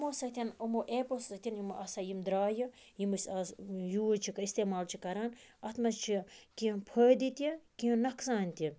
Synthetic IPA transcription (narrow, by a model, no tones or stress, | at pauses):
mosɐt̪ʲɐnumoʔeːposɐt̪ʲinjimɨʔɐsɐjimd̪ɾaːjɨ | jimɨsɐsjut͡ʃʰikɐist̪eːmaːlt͡ʃʰikɐɾaːnɐt̪mɐt͡ʃʰikĩpʰəːd̪it̪ikĩnɐkʰsaːnʲt̪i